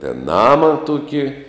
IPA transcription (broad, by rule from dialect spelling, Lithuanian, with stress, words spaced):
tʲɛn ˈnɑːmɐ ˈtʊkʲɪ